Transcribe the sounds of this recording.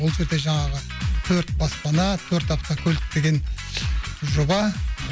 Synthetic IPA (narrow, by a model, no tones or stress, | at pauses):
wolˠʒe̞ɾd̪e̞ʒɑɴɑʁə | t̪ʰɵɾt̪bɑspɑnɑt̪ʰɵɾt̪ɑp̚t̪ɑkʲʰɵlt̪̚d̪e̞ɡʲe̞n | ʒʊbɑ